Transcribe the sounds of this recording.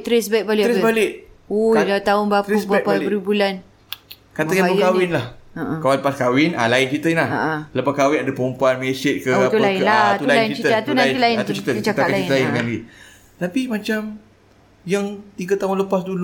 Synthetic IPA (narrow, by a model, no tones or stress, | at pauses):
t̪ɾɛsbɛʔ̚balɪʔɾbalɪʔojlat̪aʊnbatp̪usbapaəɾibulan | kat̪əkaapəjkawɪnlahəʔəkawaləpaskawɪna̰laɪnt͡ʃit̪əinahaʔləpakawɪnadəpəɾumpuanmesɪt̪̚kət̪ulaɪlat̪uulalanint͡ʃit͡ʃit̪əəat̪unãnt̪ilaɪnt̪ut͡ʃit̪əut͡ʃakalaiɪlaɪkanɡi | t̪apimat͡ʃam | jaŋt̪iɡət̪aʊnləpasdulu